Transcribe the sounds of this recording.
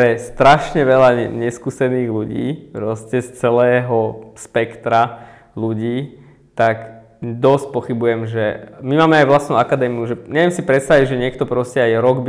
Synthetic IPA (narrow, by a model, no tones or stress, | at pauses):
pɾɛst̪ɾaʃɲɛʋɛlaɲɛskuːsɛniːɣluɟḭːpɾɔscɛst͡sɛlɛːɦɔspɛkt̪ɾa | luɟiː | t̪ak | d̪ɔsc̚pɔxibujɛmʒɛmimaːmɛajʋlast̪nuakad̪ɛːmiuʒɛɲɛʋjɛmsipɾɛt̪st̪aʋiɟʒɛɲɪɛkt̪ɔpɾɔscɛajɾɔɡbi